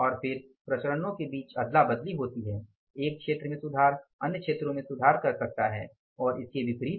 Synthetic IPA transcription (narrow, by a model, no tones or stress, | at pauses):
ɔːɾfɪɾpɾɐt͡ʃəɾənõkebiːt͡ʃɐd̪labɐd̪liɦoːt̪iɦɛː | eːk̚kʃeːt̪ɾəmẽsʊd̪ʱaːɾɐnjəkʃeːt̪ɾõmẽsʊd̪ʱaːɾkɐɾsɐk̚t̪aɦɛ̰ː | ɔːɾɪskeʋɪkɾiː